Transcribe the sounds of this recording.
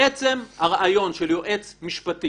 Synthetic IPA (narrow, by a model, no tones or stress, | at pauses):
et͡se̞mhaʁaʔajo̞nʃeljoʔe̞t͡smiʃpat̪i